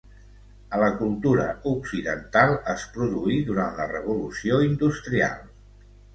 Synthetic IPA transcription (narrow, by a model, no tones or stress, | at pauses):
ələkulˠt̪uɾəuksiðənt̪alˠəspɾuðuiðuɾanlərəβulusioind̪ust̪ɾia̰lˠ